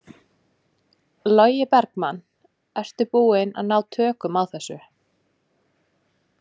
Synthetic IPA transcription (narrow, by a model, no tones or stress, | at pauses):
lɔɥjɪpɛɾkman | ɛr̥t̪ʏpuːɪna̰ðnaːwt̪ʰœːkʏmaðθɛsːʏ